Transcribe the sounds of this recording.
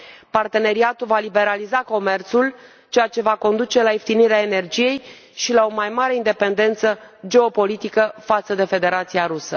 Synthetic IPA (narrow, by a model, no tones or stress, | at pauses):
part̪e̞ne̞ɾiat̪ulvalibe̞ɾalizako̞me̞rt̪sul | t͡ʃe̞jat͡ʃe̞vako̞nd̪ut͡ʃe̞laeft̪iniɾeaene̞rd͡ʒije̞j | ʃilao̞majmaɾe̞ind̪e̞pe̞nd̪e̞nt̪səd͡ʒe̞o̞po̞lit̪ikəfat̪səd̪e̞fe̞d̪e̞ɾat̪siaɾusə